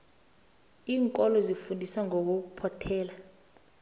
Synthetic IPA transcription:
iːŋkʼɔlɔzifundʱisaŋok̬uk̬upʰɔtʰɛːla

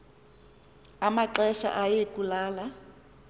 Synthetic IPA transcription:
amaǁɛʃa̰ʔajekulaːla

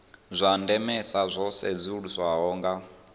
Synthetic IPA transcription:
zʷandɛmɛsazʷɔsɛzʷiɺuzʷwaɦɔːŋɡa

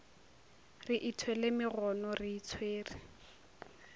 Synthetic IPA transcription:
rɪʔitʰwɛlemɪɣɔnɔriːt͡sʰweːri

